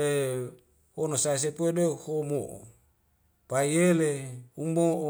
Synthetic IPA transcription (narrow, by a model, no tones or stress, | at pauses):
e | honosais̬epuedehomoʔo̰ | paijeleumoʔo